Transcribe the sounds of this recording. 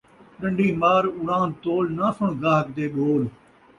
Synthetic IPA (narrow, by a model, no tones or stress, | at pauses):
ɗə̃ɳɖiːmaːɾʊɽãːnt̪oːlnaːsʊɳ̃ɡaːɦəkd̪eːɗoːl